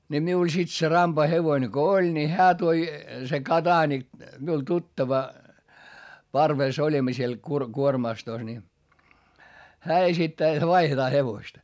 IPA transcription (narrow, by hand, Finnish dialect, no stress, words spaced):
nʲi miul sit se rɑmpɑ heʋoĭne ko olʲ ni hæː toi se kɑdɑːnik miul tutːɑʋɑ pɑrʋeˑs olʲimːɑ siel kur kuormɑstos ni hæː esitːæː jot ʋɑihetɑː heʋostɑ